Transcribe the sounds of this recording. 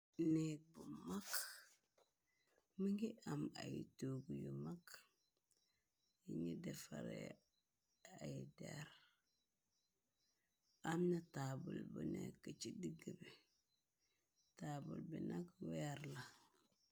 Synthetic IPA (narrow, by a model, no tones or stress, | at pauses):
nek̚bumak | miŋɡiʔamajitoːɡujumak | jiŋɡidefaɾḛ | ajidḛɾ | amnatabulbunekːət͡ʃidiɡəbi | taːbulbinakweaɾla